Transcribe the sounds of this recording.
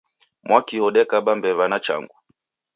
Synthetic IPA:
mwakihɔɗɛkaɓambɛβanat͡ʃa̰ŋɡu

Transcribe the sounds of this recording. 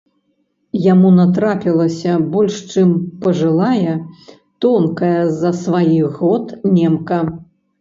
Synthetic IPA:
jamunat̪̬ɾapʲilˠɐsʲɐbɔlʲʂt͡ʂɨmpɐʐɨlˠajɛ | t̪ɔnkɐjɐzɐsvajiɣɔt̪nʲɛmkɐ

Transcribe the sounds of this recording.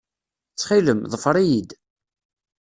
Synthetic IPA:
t͡sːχiləmðˤəfɾˤijid̪

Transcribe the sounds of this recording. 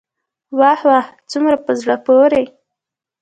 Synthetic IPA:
wahwaht͡sumɾapəzɽəpoɾe

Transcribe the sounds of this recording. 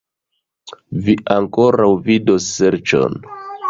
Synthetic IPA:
viʔaŋko̞ɾawvidosːeɾt͡ʃo̞̰n

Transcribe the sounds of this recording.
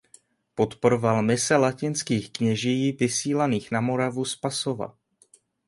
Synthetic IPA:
po̞t̪poɾovalmɪsɛlacɪnskiːxkɲɛʒijiːvɪsiːlaniːxnamo̞ɾavuspasova̰

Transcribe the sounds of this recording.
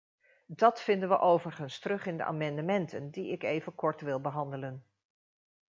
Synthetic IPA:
dɑtfɪndənʋəʔowvərχənstərɵχɪndə̰ʔa̰ːmɑndəmɛntʰəndiɪkejvənkɔɹtʋɪlˠbəɦɑndələn

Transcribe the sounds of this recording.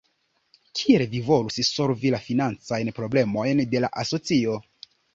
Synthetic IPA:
kʰielvivo̞lusso̞lvilafinant͡sajnpɾo̞ble̞mo̞jnde̞la̰ʔaso̞t͡sio̞

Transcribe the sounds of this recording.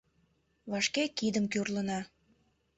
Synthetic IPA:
βɑʃkekid̪əmkyrlənɑ

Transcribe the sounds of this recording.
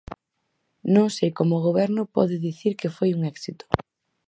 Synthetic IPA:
nõŋsejkomʊɣoβɛɾnʊpɔ̰ðɪðiθiɾkɪfojuŋɛksit̪ʊ̥

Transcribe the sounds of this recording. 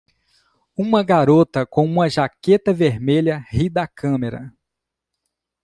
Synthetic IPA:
ũmɐɡaɾot̪ɐkõũmɐʒaket̪ɐveɾmeʎɐhid̪ɐkʰɐ̃meɾɐ̰

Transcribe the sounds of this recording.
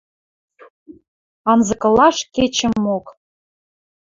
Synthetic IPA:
ɑnzɤ̆kɤ̆lɑʃket͡ɕə̆mːok

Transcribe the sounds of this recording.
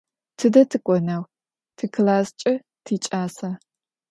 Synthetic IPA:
tʰɨdɐtʰɨkʷʼɔnaw | tʰɨkʰlaːst͡ʃʼɪ | tʰiːt͡ʃʼaːsaː

